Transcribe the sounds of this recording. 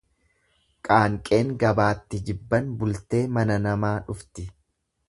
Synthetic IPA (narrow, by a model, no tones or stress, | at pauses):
kʼaːŋkʼe̞ːŋɡɐbaːt̪ːɪd͡ʒɪbːɐnbʊlt̪e̞ːmɐnɐnɐmaːᶑʊft̪ɪ